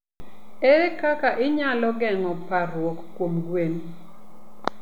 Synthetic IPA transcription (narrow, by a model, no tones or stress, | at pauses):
eɾekakaʔɪɲalɔɡɛŋɔpaɾwɔkkːwomɡwen